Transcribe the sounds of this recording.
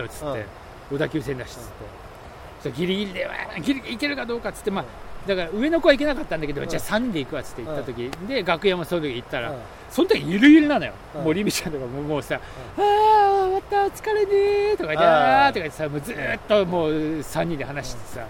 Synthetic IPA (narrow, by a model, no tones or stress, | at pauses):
ot͡sɨ̥t̪ːe̞̰ | o̞d̪akʲɨːsẽ̞nd̪aɕi̥t͡st͡sɨ̥t̪ːe̞̥ | aɡʲiɾʲiɡʲiɾid̪eβa̰ɡʲiɾʲiike̞ɾɯ̟kad̪o̞ːkat͡sɨ̥t̪ːemad̪akaɾaɯ̟e̞no̞ko̞βaik̬e̞nakat̪ːãnd̪aked̪o̞̰t͡ɕiasãɲ̟ːĩnd̪e̞ikɯ̟βat͡sɨ̥t̪ːe̞it̪ːat̪o̞kʲid̪e̞ɡakɯ̟jãm̃aso̞not̪okʲit̪ːaɾa̰ | so̞nt̪okʲiɲiiɾɯ̟iɾɯnãnojo̰moɾʲimit͡ɕãnt̪o̞kamomoːsa | amat̪at͡sɨ̥kaɾenet̪o̞kait̪ːaat̪okait̪ːesamoːd͡zɨːt̪ːo̞mo̞ːsãɲ̟ːĩnehanaɕi̥t̪ɨ̥t̪ːe̥sa̰